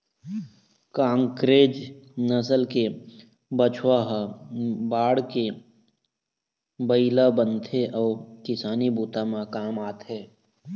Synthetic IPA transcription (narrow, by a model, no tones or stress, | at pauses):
kãːŋkɾeːd͡ʒnəsəlke | bət͡ʃʰwaɦ | baːɽke | bəilabənt̪ʰeʔɔːkɪsaːnibuːt̪amãkaːmaːt̪ʰeː